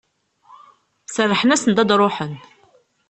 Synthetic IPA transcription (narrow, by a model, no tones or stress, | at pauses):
sərˤːəħnæsənd̪ɑd̪ɾˤoħən